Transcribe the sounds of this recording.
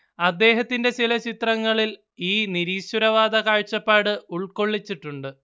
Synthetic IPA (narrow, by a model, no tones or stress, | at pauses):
ɐd̪ːe̞ːɦɐt̪ːinde̞t͡ɕilɐt͡ɕit̪rɐŋːɐɭil | iːniɾiːɕwuɾɐʋaːd̪ɐkaːɻt͡ɕːɐpːaːɽɨuɭko̞ɭːit͡ɕːiʈːuɳɖɨ